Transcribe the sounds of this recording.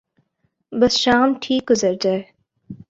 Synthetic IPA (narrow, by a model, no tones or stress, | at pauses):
bɐsʃaːmʈʰiːk̚ɡʊzəɾd͡ʒaːeː